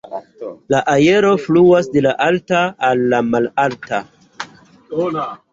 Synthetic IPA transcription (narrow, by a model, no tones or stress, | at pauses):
laʔaje̞ɾo̞fluasdelaʔaltaːlːamalalta